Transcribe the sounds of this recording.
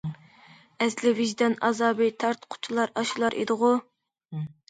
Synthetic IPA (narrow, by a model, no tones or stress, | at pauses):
ɛslɪviʒd̪ɛnɑzɑːbɨt̪ʰɑɾt̪qʰʊ̥t͡ʃʰulˠɑɾɑʃulˠɑɾʔḛd̪ɨʁʊ